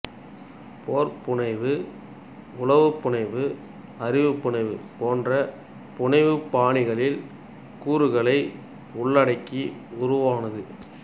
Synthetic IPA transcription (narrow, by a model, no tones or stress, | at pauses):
poːɾpʊɳɐɪʋɯ | ʊlɐʋɯpːʊɳɐɪʋɯ | ɐɾɪʋɯpːʊɳɐɪʋɯpoːndrɐ | pʊɳɐɪʋɯpaːɳɪɣɐɭɪl | kuːɾɯɣɐɭɐɪ | ʊɭːɐɽɐɪkːiʊɾʊʋaːnɐðɯ